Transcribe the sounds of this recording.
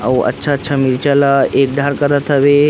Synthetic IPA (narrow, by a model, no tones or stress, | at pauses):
a̰wʔə̰tːɕʰatːɕʰamiɾt͡ɕalaek̚ɖʱaɾkəɾat̪ʰəʋe